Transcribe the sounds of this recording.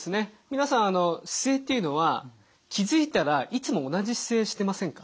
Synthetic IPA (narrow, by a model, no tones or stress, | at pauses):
sɨne̞mʲinasãɰ̃ano̞ɕi̥se̞ːt̪ːeiɯ̟no̞βa | kʲizɨit̪aɾaʔit͡sɨmo̞ːnaʑiɕi̥se̞ːɕi̥t̪e̞masẽ̞ŋkḁ